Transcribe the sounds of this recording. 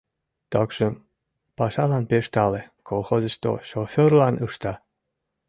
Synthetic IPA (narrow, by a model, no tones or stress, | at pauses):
t̪ɑkʃəm | pɑʃɑlɑnpeʃt̪ɑlekʰolˠxozə̆ʃt̪o̰ʃofʲørlɑnɯʃt̪ɑ